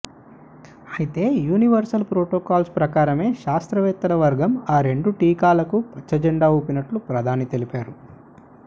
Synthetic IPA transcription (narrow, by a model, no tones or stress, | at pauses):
ɐjit̪e̞ːjuːniʋɐɾsɐlpɾoːʈoːkaːlspɾɐkaːɾɐme̞ːʃaːst̪ɾɐʋɛːt̪ːɐlɐʋɐɾɡɐmaːɾe̞ɳɖuʈiːkaːlɐkupɐt͡ʃːɐd͡ʒeɳɖaːuːpinɐʈlupɾɐd̪ʱaːnit̪e̞lipaːɾu